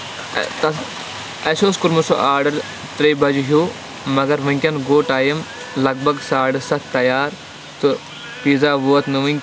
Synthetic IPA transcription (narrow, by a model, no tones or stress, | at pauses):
t̪ɐ | ɐsoːskuɾmuso̰ʔaːɾɖɐɾ | t̪ɾeːbɐd͡ʒɦjuː | mɐɡɐɾʋɨ̃ŋʲkʲɐnɡoːʈaːjɐm | lɐɡ̚bʱɐɡsaːɽɖɨsɐt̪ʰt̪ɐjaːɾ | t̪u | piːzaːʋuɐt̪nɨʋɐŋʲk